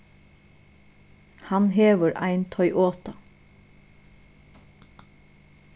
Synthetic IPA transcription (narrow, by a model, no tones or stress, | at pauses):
hɑnɦeːʋəɹæ̰ɪnt̪ʰœʏʔoːt̪a